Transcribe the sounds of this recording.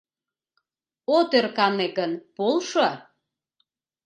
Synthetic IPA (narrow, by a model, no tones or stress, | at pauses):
ot̪erkɑneɣənpolʃɤ